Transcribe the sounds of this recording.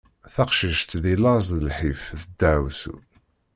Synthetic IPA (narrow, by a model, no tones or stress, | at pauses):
θaqʃiʃt̪ðilɑzðəlħifθəd̪ːəʕwsṵ